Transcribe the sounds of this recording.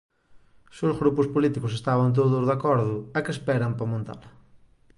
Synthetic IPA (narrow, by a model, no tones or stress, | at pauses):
sozɣɾupʊspolit̪ikʊsest̪aβɐnt̪̬oðʊzðakɔɾðʊɐkespɛɾɐmpɐmõnt̪a̰lɐ